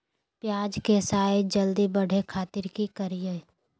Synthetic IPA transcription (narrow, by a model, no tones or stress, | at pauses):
pjaːd͡ʒkesaːed͡ʒəld̪ibəɽ̤ʱekʰaːt̪ɪɾkikəɾijə